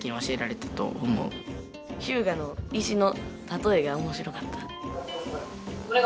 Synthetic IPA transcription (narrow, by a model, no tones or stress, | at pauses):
kʲĩɰ̃βaɕie̞ɾaɾe̞t̪ḁt̪o̞̰omo̞̰ɯ | çɨːɡano̞iɕino̞t̪at̪o̞e̞ɡaomo̞ɕiɾo̞kat̪ːḁ | koɾe